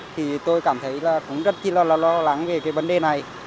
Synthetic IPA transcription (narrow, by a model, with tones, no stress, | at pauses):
t̪ʰi˨˩t̪o˧jkaː˧˩mt̪ʰə˨˦jlaː˨˩kʊ̰˧˥ŋ͡mzə˦˥t̚t͡ɕi˧laː˧˩laː˨˩lɔ˧la˨˦ŋve˨˩kaː˨˦jvə˨˦nɗe˨˩na˨˩j